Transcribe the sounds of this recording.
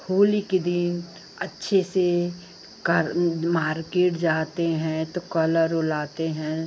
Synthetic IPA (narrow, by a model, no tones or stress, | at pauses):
hoːliked̪ɪn | ɐtːʃʰese | kɐɾmaːɾkeːʈd͡ʒaːt̪eɦɛ̃t̪okɐləɾʊlaːt̪eɦɛ̃